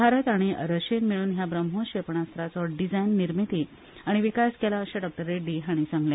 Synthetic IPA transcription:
bʱaɾət̪aɽ̃iə̰ɾəɕenmiɭuːnɦjabɾəmɦõɕepɳ̃ast̪ɾat͡sɔɖid͡zajnːiɾmit̪i | aɽ̃iʋikaskelaəɕeɖɔk̚ʈəɾeɖiɦaɽ̃isaŋɡljã

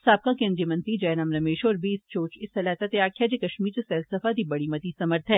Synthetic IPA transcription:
saːb̚kakẽːnd̪ɾijəmɐ̃nt̪id͡ʒɐːnaːmɾɐmeːʃɔːɾbʱiɪst͡ʃoːt͡ʃɪsɐlaːt̪at̪eaːkʰjad͡ʒekɐʃmiːɾt͡ʃesɛːlsɐfad̪ibɐɽimɐt̪isɐməɾt̪ʰɦɛː

